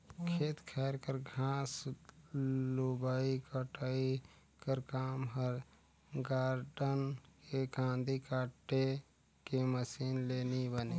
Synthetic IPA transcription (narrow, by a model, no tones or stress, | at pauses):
kʰeːt̪kʰɛːɾkəɾɡʱãːs | lubaːikəʈaːi | kəɾkaːmɦəɾ | ɡaːɾɖənkekãːnd̪ʱikaːʈːe | keməsiːnleːnibəneː